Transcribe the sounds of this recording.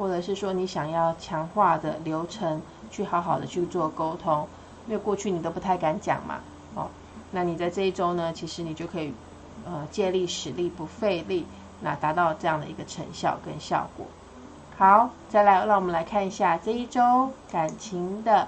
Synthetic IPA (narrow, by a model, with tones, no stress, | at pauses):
wɔ˥˩ʈ͡ʂɤ˨˩ʂ̬ɻ̩˥˩ʂwɔ˥ni˧˥ɕjɑ˨˩ŋjɑ˥˩ʊt͡ɕʰjɑ˧˥ŋxwa˥˩d̪ə˩ljo˧˥ʊʈ͡ʂʰə˧˥ŋ | t͡ɕʰy˥˩xɑ˧˥ʊxɑ˨˩ʊd̪ə̰˦t͡ɕʰy˥˧t͡swɔ˥˨ko˥ʊt̪ʰʊ˥ŋ | i˥˧we˥˧ɪkwɔ˥˧t͡ɕʰy˥˩ni˨˩t̪o˥ʊpu˧˥t̪ʰa˥˩ɪka˧˥nt͡ɕjɑ̰˨˩ŋma̰˩ | ɔ̰˥˧ | na˥˩ni˨˩t͡sa˥˧ɪʈ͡ʂɤ˥˧i˥˩ʈ͡ʂo˥ʊnə˨t͡ɕʰi˧˥ʂɻ̩˧˦ni˨˩t͡ɕjo˥˩ʊkʰɤ˧˥i˨˩ | ə˧t͡ɕjɛ˥˧li˥˩ʂɻ̩˧˥li˥˨˩pu˧˥fe˥˧ɪli˥˩ | na˥˧t̪a˧˥t̪ɑ˥˧ʊʈ͡ʂɤ˥˧jɑ˥˩ŋd̪ə̰˩i˧˥ɡə˧ʈ͡ʂʰə̰˧˥ŋɕjɑ̰˥˩ʊkə̰˦˥nɕjɑ̰˥˩ʊkwɔ̰˨˩˦ | hɑ˨˩˦ʊt͡sa˥˩ɪla˧ɪɻɑ˥˩ŋwmə̃˦nla˧˥ɪkʰa˥˧ni˧˥ɕja˥˧ʈ͡ʂɤ˥˧i˥˩ʈ͡ʂo˥ʊka˨˩nt͡ɕʰi˧˥ŋd̪ə˨